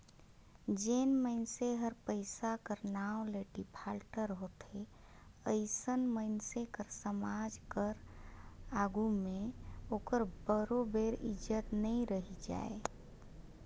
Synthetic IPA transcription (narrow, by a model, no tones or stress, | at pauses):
d͡ʒenməɪnseɦəɾpəɪsakəɾnaleɖipʰaːlʈəɾɦot̪e | əɪsənməɪnsekəɾsəmad͡ʒkəɾ | aːɡumẽoːkəɾbəɾobeɾɪ̰d͡ʒət̪nəĩɾəɦid͡ʒa̰ːe